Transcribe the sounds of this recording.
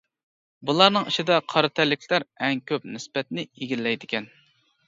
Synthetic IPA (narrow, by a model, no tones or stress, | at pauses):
bulˠɑɾnɨŋiʃid̪ɛqʰɑɾɨt̪ʰælːɪkʲʰlæɾɛŋkʲʰøp̚nɪspɛt̪nɪiɡʲillːɛjd̪ɪkʲɛn